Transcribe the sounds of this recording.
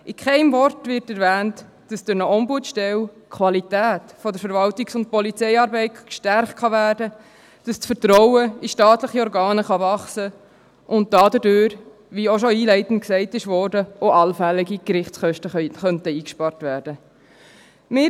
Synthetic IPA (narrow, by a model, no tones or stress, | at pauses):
ʔɪkχɛɪmvɔɾtvɪtɛɾvæːnt | d̥ɑsd̥ʊɾnəɔmbuətʃtɛl | kʰʋɑlitæːtfɔd̪əɾfəɾvɑltiksʊnt̚pɔlit͡sɛɪɑːɾbɛɪtkʃtæɾχt̚χɑvæːɾdə | d̥ɑst͡sfəɾtɾɔʊəiʃtɑːt̪ləχiɔɾɡɑːnəχɑvɑχsə | ʔʊnt̚d̥ɑːdədøːɾ | ʋioʃoiːlɛɪtən̩t̚ksɛɪtɪʃʋɔɾdəoʔɑlfæliɡikɾɪχtsχœʃtəχœntəiːkʃpɑɾtvæːɾd̥ə | mɪ